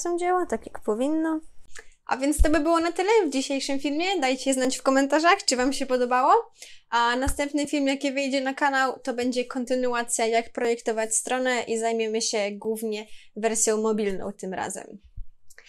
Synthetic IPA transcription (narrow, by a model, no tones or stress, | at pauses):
sɔ̃wd͡ʑawat̪akʲjakpɔvʲinːɔʔa̰vʲjɛnt̪st̪ɔbɘbɘwɔnat̪ɘlɛvd͡ʑiɕejʂɘmfʲilmʲjɛd̪ajt͡ɕɛɛznat͡ɕfkɔmɛnt̪aʐaxt͡ʂɨvamɕɛpɔd̪ɔbawɔʔanast̪ɛmpnɘfʲilmjakʲjɛvɘjd͡ʑɛnakanawt̪ɔbɛɲd͡ʑɛkɔnt̪ɘnuat̪sʲjajakpɾɔjɛkt̪ɔvat͡ɕst̪ɾɔnɛʔizajmʲjɛmɘɕɛɡwuvɲɛvɛɾsʲjɔ̃wmɔbʲilnɔ̰w̃t̪ɘmɾa̰zɛ̰m